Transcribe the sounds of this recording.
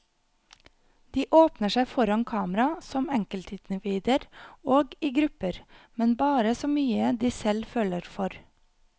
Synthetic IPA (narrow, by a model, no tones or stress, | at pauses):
d̪̥iːʔoːpnəʃæɪfɔɾɑnkʰɑːməɾɑsɔmɛŋkəlt̪ʰɪːnəʋiːd̪əɾoːɡiːɡɾʉpəɾmɛnbɑːɾəsoːmyːəd̪iːsɛlføːləɾfɔɾ